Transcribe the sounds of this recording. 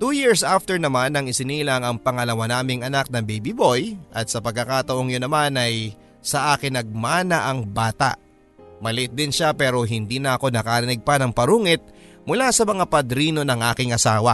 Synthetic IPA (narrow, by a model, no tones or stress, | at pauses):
t̪uːjiɹsʔaft̪ɛɹnɐmanɐŋɪsɪniːlɐŋɐŋpɐŋɐlɐwanaːmɪŋɐnak̚nɐbejbibo̞jʔɐt̪̚sɐpɐɡ̚kːɐkat̪ɐʔoŋjonɐmanɐj | sɐʔaːkɪnːɐɡ̚maːnɐʔɐŋbaːt̪ɐ̰ʔ | mɐlɪʔɪt̪̚d̪ɪnʃapɛːɾo̞ɦɪnd̪iːnɐɐko̞nɐkaːɾɪnɪɡ̚pɐnɐŋpɐɾuŋɪt̪̚mʊlasɐmɐŋapɐd̪ɾiːno̞nɐŋʔaːkɪŋɐsaːwɐ